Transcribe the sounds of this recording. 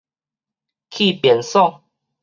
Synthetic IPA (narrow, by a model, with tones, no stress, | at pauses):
kʰi˥˨pjɛ˨nsɔ˥˨ŋ